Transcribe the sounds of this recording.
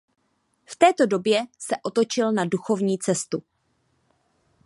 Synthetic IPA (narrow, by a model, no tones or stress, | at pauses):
ft̪ɛːt̪o̞do̞bjɛsɛʔo̞t̪o̞t͡ʃɪlnaduxo̞vɲiːt͡sɛst̪u